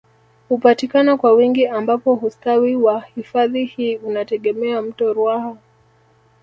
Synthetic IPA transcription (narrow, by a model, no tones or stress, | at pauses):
hupatikanɔkwawiŋɡiʔambapɔhustawiwahifaðihiːunatɛɠɛmɛam̩tɔɾuaha